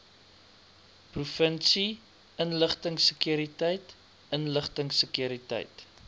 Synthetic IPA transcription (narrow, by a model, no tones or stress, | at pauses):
prufənsi | ənləχtəŋsəkjuəɾitəjt | ənləχtəŋsəkjuəɾitɛ̰jt